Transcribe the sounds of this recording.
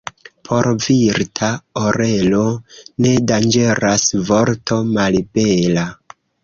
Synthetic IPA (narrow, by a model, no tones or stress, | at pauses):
pʰo̞ɾviɾtʰaoɾe̞lo̞ne̞dand͡ʒe̞ɾasvo̞ɾto̞malbe̞la